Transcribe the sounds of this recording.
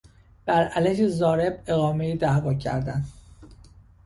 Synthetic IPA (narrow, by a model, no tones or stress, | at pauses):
b̥æɾælæʃizɒːɾe̞be̞ɣɒːme̞id̪æhvɒːcʰæ̰ɾd̪æn